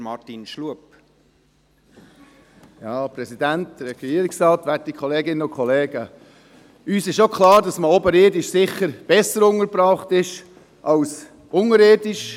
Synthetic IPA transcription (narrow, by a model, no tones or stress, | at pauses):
mɑtinʃluəp | jɑːpɾɛsid̥æntd̪̥əɾɛɡ̥iːəɾɪksɾɑːt̪ʋætikʰχɔleːɡɪnːənʊnkʰɔleːɡə | yːsɪʃokʰlɑːɾdɑsməɔbəɾeːdɪʃsɪχəɾb̥ɛsəɾʊŋəɾpɾɑːχtɪʃ | ʔɑls | ʊŋəɾɪːdɪʃ